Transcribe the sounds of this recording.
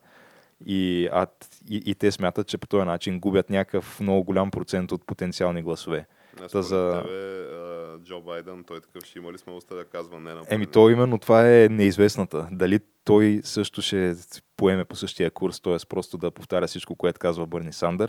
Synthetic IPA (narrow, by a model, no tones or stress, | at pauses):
ia̰ | iʔit̪ɛsmʲjat̪ət̪̚t͡ʃɛpo̥t̪ɔjɐnat͡ʃinɡubʲjət̪nʲakəfmnɔɡʊɡolʲampɾot̪sɛnt̪ot̪̚pot̪ɛnt̪sialˠniɡlˠɐsovɛ | t̪azɐvɛ | d͡ʒobajd̪ɛnt̪ɔjt̪ɐ̥kɤfʃimɐlismɛɔst̪ɛd̪ɐkazvɐnɛnɐɛmit̪ɔimɛnːot̪ovaɛnɛizvɛsnɐt̪əd̪ɐli | t̪ɔjsɤʃt̪oʃɛpoɛmɛposɤʃt̪ijəkuɾst̪ɔjɛspɾɔst̪od̪ɐpoft̪aɾʲəfsit͡ʃkokoɛt̪ʊ̥kazvɐbɤɾnisand̪əɾ